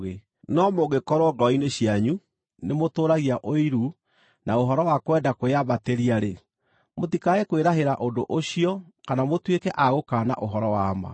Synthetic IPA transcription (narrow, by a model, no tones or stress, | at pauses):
ɣe | nɔmoɣekɔɾwɔɡɔineɕiaɲu | nemotoːɾaɣiaʔoiɾu | naoɦɔɾɔwakwɛndakoeaβateɾiaɾe | motikaekweɾaɦeɾaʔondo̰ʔoɕiɔ | kanamotwekɛʔaɣokaːna̰ʔoɦɔɾɔwama̰